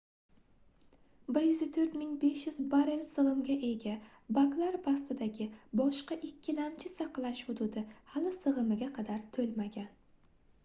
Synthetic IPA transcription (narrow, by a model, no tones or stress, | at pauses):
bɪɾjʏzɪt̪ʰɵɾt̪mɪŋbe̞ʃjʊzbaɾelsɨlˠɨmɡʲaʔe̞ɡʲa | baklˠaɾpʰast̪ɪd̪aɡʲɪbɒʃqɑʔɪkʲʰːɪlamt͡ʃʰɪsɑqlˠaʃhʊd̪ʊd̪ɪhalɪsɨʁɨmɪɡʲaqʰɑd̪aɾt̪ʰɵlmaɡʲan